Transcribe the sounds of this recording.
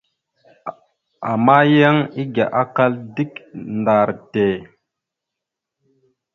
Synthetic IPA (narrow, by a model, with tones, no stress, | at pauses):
a˨ma˦ja˦ŋi˦ɡa˨ʔa˦ka˦ldi˦knda˨ɾte˨